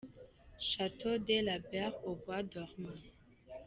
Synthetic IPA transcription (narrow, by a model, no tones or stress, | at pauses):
ʃat̪od̪ɛlabɛʁobwad̪ɔʁmɑ̃